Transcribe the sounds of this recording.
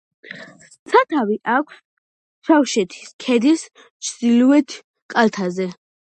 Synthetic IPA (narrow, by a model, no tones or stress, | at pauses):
t̪sʰat̪ʰaviʔakʷʰs | ʃawʃɛt̪ʰi̥skʰɛd̪is | t͡ʃʰd̪iluɛt̪ʰ | kʼalt̪ʰazɛ